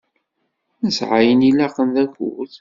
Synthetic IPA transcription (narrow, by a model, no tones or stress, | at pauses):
nəsʕajənilæqənðækṵθ